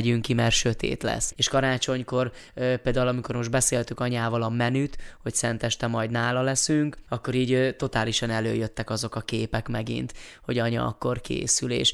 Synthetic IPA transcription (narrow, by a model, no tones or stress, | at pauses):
ɟyŋkimɛrʃø̞t̪ḛːt̪lɛ̰seːʃkɒɾaːt͡ʃo̞ɲko̞rpeːld̪aːulɒmiko̞rmo̞ʒd̪bɛseːlt̪yŋkɒɲaːvɒlɒmɛnyt̪ho̞csɛnt̪ɛʃt̪ɛmɒjd̪naːlɒlɛsyŋkɒkːo̞ɾiːɟt̪o̞t̪aːliʃɒnɛløːjøt̪ːɛkɒzo̞kɒkeːpɛkmɛɡḭnt̪ho̞ɟɒɲɒ̰ɒ̰kːo̞rkḛːsylḛːʃ